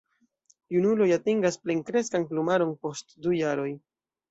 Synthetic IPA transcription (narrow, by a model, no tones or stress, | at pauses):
junulo̞jatiŋɡaspleŋkɾe̞skanplumaɾo̞npo̞stdujaɾo̞j